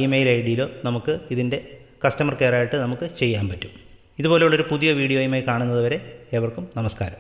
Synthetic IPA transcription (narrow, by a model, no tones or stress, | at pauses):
emejilɐjiɽijilo̞ːnɐmukːɨiðinde̞ | kɐstɐmɐrke̞ːraːjiʈːɨnɐmukːɨt͡ɕe̞jːaːnpɐtːu̥m | iðupoːleoɭo̞ɾupuðijɐʋiːɽijo̞ːjumaːjkaːɳunːɐðɨʋɐɾe̞ːʋɐrkumnɐmɐska̰ːɾɐm